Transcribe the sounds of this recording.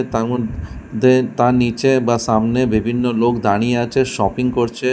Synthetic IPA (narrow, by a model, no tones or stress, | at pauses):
t̪aɾmod̪ʱːet̪aɾnit͡ɕebaʃamnebibʱinːolokd̪aɽ̃ijeat͡ɕʰeʃɔpiŋkoɾt͡ɕʰe